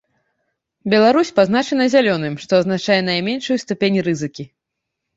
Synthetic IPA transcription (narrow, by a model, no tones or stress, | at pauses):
bʲɛlˠaɾusʲpazn̪at͡ʂɛnɐzʲalʲɔnɨmʂt̪ɔɐznat͡ʂajɛnajmʲenʂujust̪upʲenʲrɨzɨkʲi